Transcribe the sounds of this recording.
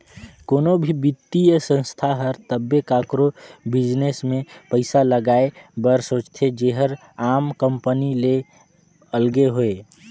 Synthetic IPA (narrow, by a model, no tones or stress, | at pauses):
koːnobʱibɪt̪ːijəsə̃nst̪ʰaɦəɾt̪əbːekakɾobɪd͡ʒnesmẽpəɪsaləɡaːebəɾsoːt͡ʃt̪ʰed͡ʒeɦəɾ | aːmkəmpənile | əlɡeɦoe